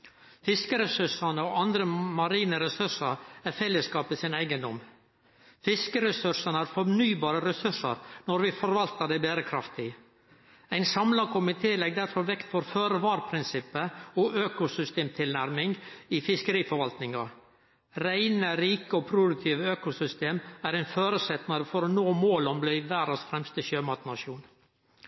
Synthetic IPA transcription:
fɪskəɾɛsʉʂɑnəɔɑnd̪ɾəmɑɾiːnəɾɛsʉʂɑɾæɾfɛlːəskɑːpɪsɪnæɪɡənd̪ɔm | fɪskəɾɛsʉʂɑnəæɾfɔnyːbɑːɾəɾɛsʉʂɑ̰ɾnɔɾʋɪfɔɾʋɑlt̪əɖ̪æɪbeːɾəkʰɾɑft̪ɪ | æɪnsɑmlɑkʰʊmɪt̪ʰeːlɛɡd̪æɾfɔɾʋɛkt̪fɔɾføːɾʋɑːɾpʰɾɪnsɪpːəɔʔøːkʊsʏst̪eːmt̪ʰɪlnæɾmɪŋɡɪfɪskəɾiːfɔɾʋɑlt̪nɪŋɑ | ɾæɪnəɾiːkəɔpʰɾʊd̪ʉk̚t̪ʰiːʋəøːkʊsʏst̪eːmæɾæɪnføːɾəsɛt̪nɑɾəfɔɾɔnoːmoːlɔmblæɪʋæːɾəsfɾɛmst̪əʃøːmɑt̪nɑʂuːn

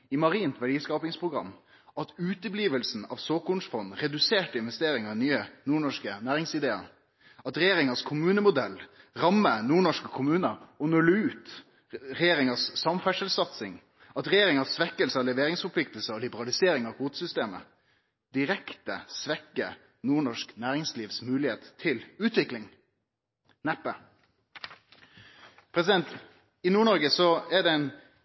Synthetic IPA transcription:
ɪmɑɾiːnt̪ʋæɖiːskɑːpɪŋspʰʁʊɡʁɑ̰mː | ʔɑt̪ʉːt̪əbliːʋəlsn̩ɑ̰ʋsoːkʊnsfɔnʁɛd̪ʉseːʈəɪnʋɛst̪eːɾɪŋɑʋɪnyːənuːɳɔʂkənæːɾɪŋsɪd̪eːə̰ɾ | ɑt̪ɾɛjeːɾɪŋɑskʰʊmʉːnəmʊd̪ɛlːɾɑmːənuːɳɔʂkəkʰʊmʉːnəɾɔnʉləʉːt̪ | ɾɛjeːɾɪŋɑsːɑmfæʂəlsɑt̪sɪŋ | ɑt̪ɾɛjeːɾɪŋəsʋɛkːəlsəɔlɛʋeːɾɪŋsfɔpʰlɪkt̪əl̩səɔlɪbəɾɑlɪseːɾɪŋɑʋkuːt̪sʏst̪eːmə̰ | d̪̥ɪɾɛkt̪ə̰sʋɛkːə | nuːɳɔʂknæːɾɪŋsliːʋsmʉːlɪheːt̪t̪ʰːɪlʉːt̪ʰʋɪklɪŋ | næpːə | pʰɾɛsɪd̪ɛnt̪ | ɪnuːɳɔɾɡəsɔɛɖɛɛɪn

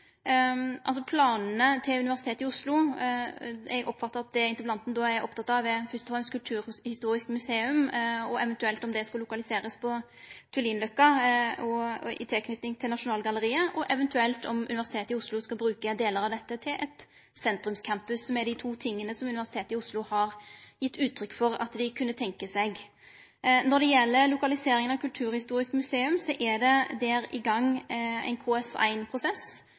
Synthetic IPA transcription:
ʔɑ̰lsɔpʰlɑːnn̩ət̪ʰɪlʉnɪʋæʁsɪt̪ʰeːt̪ɪʊslʊ | ɛ̰ɡʔɔpːfɑt̪ːəɾɑt̪̚d̪ɛɪnəblɑnt̪n̩d̪ɔæɾʔɔpt̪ʰɑt̪ːɑʋɛfɪst̪ɔfɛmskʰʉlt̪ʰʉːɾhɪst̪uːɾɪskmʉseːʉmɔʔɛʋɛnt̪ʉɛlt̪ɔmd̪ɛskɑlʊkɑlɪseːɾəspʰɔ | t̪ʰʉliːnlœkːɑɔɪ̰t̪ʰɪlkʰnʏt̪nɪŋt̪ʰɪlnɑʂʊnɑːlɡɑləɾiːəʔɔʔɛʋɛnt̪ʉɛlt̪ɔmʔʉ̰nɪʋæʁsɪt̪ʰeːt̪əɪʊslʊskɑlbɾʉːkəd̪eːləɾɑʋd̪ɛt̪ːət̪ʰɪlʔɛt̪ | sɛnt̪ɾʉmskʰæmpʉsɔmɛd̪ɪt̪ʰuːt̪ʰɪŋːənəsɔmʉnɪʋæsɪt̪ʰeːt̪əɪʊslʊhɑɾjɪt̪ːʉːt̪ʰːɾʏkːfɔɾɑ̰t̪d̪ɪkʰʉnːət̪ʰɛŋkəsɛɡ | nɔɾd̪ɛjɛlːəlʊkɑlɪseːɾɪŋənɑʋkʉlt̪ʰʉːɾhɪst̪uːɾɪskmʉseːʉmsɔʔæd̪ɛd̪æːɾɪɡɑŋːæ̰ɪnkʰoɛsæ̰ɪnpʰɾʊsɛs

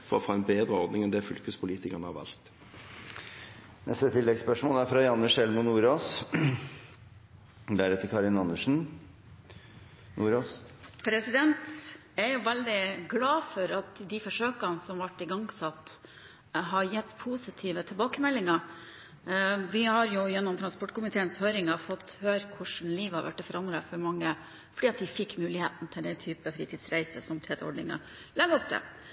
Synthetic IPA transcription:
fɔʁɔfɑːɛnbeːd̪ʁəɔʁd̪nɪŋɛnd̪ɛfʉlkəspʰʊliːt̪ɪkəʁnəhɑʋɑ̰lt̪ | nɛst̪ət̪ʰɪlːɛɡspœʂmoːlæɾfɾɑjɑnːəʂɛlmʊnuːɾoːs | d̪æɾʉt̪əɾkʰɑɾɪnɑnːəʂn̩ | nuːɾoːspʰɾɛsɪd̪ɛnt̪ | æɾjʊʋɛld̪ɪɡlɑːfɔɾɑt̪d̪ɪfɔʂøːkənsɔmʋɑʈːɪɡɑŋsɑt̪ː | ɦɑɾjɛt̪ːpʰuːsɪt̪ʰiːʋət̪ʰɪlbɑːkəmɛlːɪŋɑ | ʋɪhɑɾjʊjɛnːɔmt̪ʰɾɑnspɔʈːkʰʊmɪt̪ʰeːənshøːɾɪŋɑfɔt̪ːhøːɾəkʰʊʂn̩liːʋɑɾʋæ̰ʈːɛfɔɾʔɑnd̪ɾəfɔɾmɑŋːə | fɔɖiːɑt̪̚d̪ɪfɪkːmʉːlɪheːt̪n̩t̪ʰɪld̪ɛt̪ʰyːpəfɾiːt̪ʰiːd̪sɾæɪsə̰sɔmt̪ʰeːt̪əɔ̰ɖɳɪ̰ŋɑ̰ | lɛɡəɔp̚d̪ɛ̰

